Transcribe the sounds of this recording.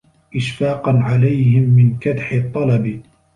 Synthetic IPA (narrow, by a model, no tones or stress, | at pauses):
ʔɪʃfɑːqɑnʕalajhɪmːɪnkad̪ħɪt̪ˤːɑlɑb